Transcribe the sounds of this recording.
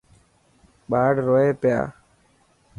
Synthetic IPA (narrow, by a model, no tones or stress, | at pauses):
ɓaːɽɾoːeːpja̰ː